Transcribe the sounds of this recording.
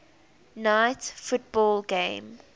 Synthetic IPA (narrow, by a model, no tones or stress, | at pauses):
naɪtfʊt̚bɔːlˠɡẽɪm